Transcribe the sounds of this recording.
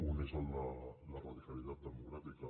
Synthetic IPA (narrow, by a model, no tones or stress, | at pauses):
unesonlalaraðikaliðat̪̚d̪emoɣɾat̪ika